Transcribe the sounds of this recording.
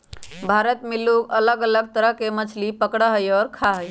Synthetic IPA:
bʱaːɾət̪mɪluɡələɡələɡ̚t̪əɾəɦkemət͡ʃʰlipəkɽaɦəjɔːɾkʰaɦəj

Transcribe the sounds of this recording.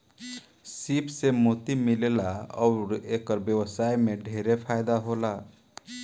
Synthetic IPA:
sipsemot̪imilelaɔʊɾekəɾbjewəsajmeɖʱeɾepʰajd̪aɦola

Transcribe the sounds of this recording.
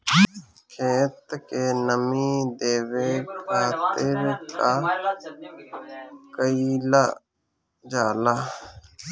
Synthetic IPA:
kʰeːt̪kenəmid̪eːʋekʰaːt̪ɪɾka | kəiːla | d͡ʒaːlaː

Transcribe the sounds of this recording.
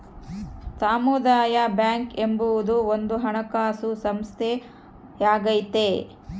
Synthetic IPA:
saːmud̪aːjabjaːŋkembuʋud̪uond̪uɦɐɳɐkaːsusɐmst̪ʰe | jaːɡɐjt̪e

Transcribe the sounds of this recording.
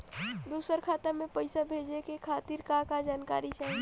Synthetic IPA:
d̪usəɾkʰat̪amepəɪsabʱed͡ʒekekʰat̪iɾkakad͡ʒankaɾit͡ʃaĩ

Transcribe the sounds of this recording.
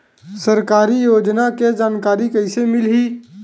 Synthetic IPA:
səɾkaːɾijoːd͡ʒnaked͡ʒaːnkaːɾikəɪsemɪlɦi

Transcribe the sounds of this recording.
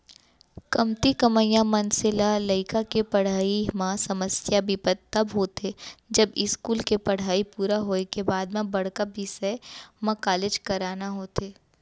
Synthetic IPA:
kɐmt̪ikɐməjãmɐnsɪlaləɪkakepɐɽ̤aːimãsɐməsjabɪpət̪ːɐbɦoːt̪ʰed͡ʒɐbɪskuːlkepɐɽ̤aːipuːɾaɦoːekebaːd̪mẽbɐɽkabisɛmɐ̃kaːleːd͡ʒkɐɾaːnaɦoːt̪eː

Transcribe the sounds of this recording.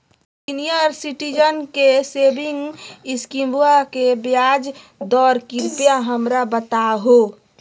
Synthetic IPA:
sinijəɾsiʈid͡ʒənkesebɪ̃ŋɡɪskimbuakebjaːd͡ʒ | d̪ɔːɾkɪɾpjaɦəmɾabət̪aɦo

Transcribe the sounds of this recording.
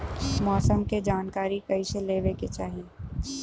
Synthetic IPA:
mɔːsəmked͡ʒaːnkaːɾikɐiseleːʋeket͡ʃaːɦie

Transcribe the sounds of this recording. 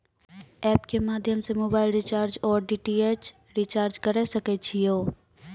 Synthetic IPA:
ɛːpkemaːd̪ʱjəmsemoːbaːɪlɾɪt͡ʃaːɾd͡ʒɔːɾɖiːʈieːt͡ʃ | ɾit͡ʃaːɾd͡ʒkɐɾesɐket͡ʃʰijoː

